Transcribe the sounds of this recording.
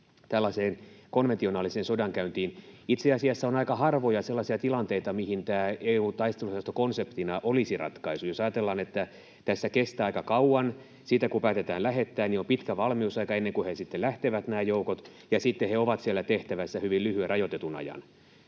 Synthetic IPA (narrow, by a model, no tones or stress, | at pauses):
t̪ælːɑseːnkonʋent̪ionɑːlisensodɑŋkæynt̪iːnit̪seɑsiɑsːæonɑikɑhɑrʋojɑselːɑsiɑt̪ilɑnt̪eit̪ɑmihint̪æːeːuːt̪ɑist̪elusɑst̪okonsept̪inɑʔolisirɑ̰t̪kɑisujosɑjɑt̪elːɑːnet̪ːæ | t̪æsːækest̪æːɑikɑkɑuɑn | siːt̪ækupæːt̪et̪æːlæɦet̪ːæːnniompit̪kæʋɑlmiusɑikɑenːeŋkuhesit̪ːelæht̪eʋæt̪næːjoukot̪jɑsit̪ːeheoʋɑt̪sielːæt̪eht̪æʋæsːæhyʋillyhyerɑjot̪et̪unɑ̰jɑ̰n